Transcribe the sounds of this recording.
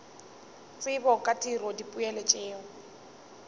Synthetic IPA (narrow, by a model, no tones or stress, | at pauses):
t͡sʼɪbɔkʼatʼirɔdipʼʊɛlɛt͡ʃʼɪːŋ̩